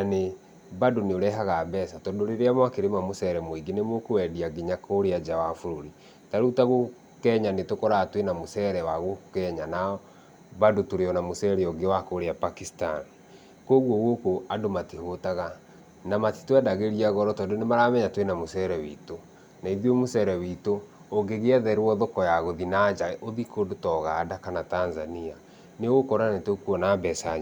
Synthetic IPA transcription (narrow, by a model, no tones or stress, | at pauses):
nane | badoneoɾɛɦaɣaːbɛsatɔdoɾeɾeamwakeɾemamosɛɾɛmoiɡenemokowɛdiaɡiɲakoɾead͡ʒawafuɾoɾi | taɾutaɣo | kɛɲanetokɔɾatwenamosɛɾɛwaɣokɛɲanaɔ | badotoɾeɔnamosɛɾeɔɡewakoɾeapakista̰n | koɣwɔɣokoadomatihotaɣa | namati̥twɛdaɣeɾiaɣɔɾɔtɔdonemaɾamɛɲatwenamosɛɾɛwito | naiðiomosɛɾɛwitoː | ɡeɣeɛðɛɾwɔðokɔjaɣoðinad͡ʒaʔoðikʰodotɔɣaːdakanatanzania | newokɔɾanetokuɔnabɛsaɲ